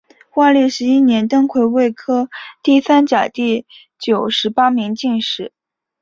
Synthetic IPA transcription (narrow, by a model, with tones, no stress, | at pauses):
xwa˥˧li˥˩ʂɻ̩˧˥i˥njɛ˧˥nt̪ɤ˥ŋkʰwe˧˥ɪwe˥˩ɪkʰɤ˥t̪i˥˩sa˥nt͡ɕja˨˩t̪i˥˩ | t͡ɕjo˨˩ʊʂɻ̩˧˥pa˥mi˧˥ŋt͡ɕi˥˧nʂɻ̩˥˩˦